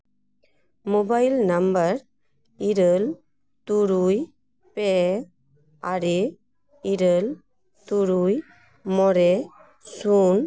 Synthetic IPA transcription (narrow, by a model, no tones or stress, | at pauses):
mobailnɐmbəɾ | iɾəl | t̪uɾuj | pe | aɾe | iɾəl | t̪uɾuj | mɔɾe | sun